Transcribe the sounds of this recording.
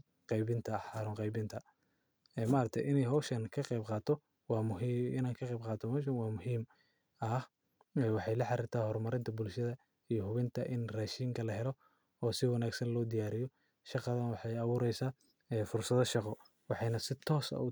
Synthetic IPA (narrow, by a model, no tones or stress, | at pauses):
qɛjβɪnt̪ʰɐħɑːɾɔːŋqɑjbɪnt̪ʰɐ | ɛːmaːɾɐt̪ʰɛ̰jʔɪnɛjɦɔwʃɐnkʰɐqɑjbqɑːt̪ʰɔ | wɑːʊɪ̰naːŋkʰɐqɛjbqɑːt̪ʰɔmhɔːʃ̬ɐnwɑːmʊɦiːm | ɐh | ɛːwɑħɑjlɐħɑɾɪrt̪ʰaːhɔrmɐɾɪnt̪ʰɐbʊlʃɐðɐ | ijɔhʊβɪnt̪ʰɐʔɪnrɛʃiːŋkʰɐlɐɦɛlɔ | ɔːsɪwɑnaːɡsɐnlɔːd̪ɪjaːɾɪjɔ | ʃɑqɑðɐnwɑħɑjɐβuːɾɛjsaː | ɛːfʊrsɐðɐʃɑqɔ | wɑħɑjnɐsɪt̪ʰɔːsɐ̰u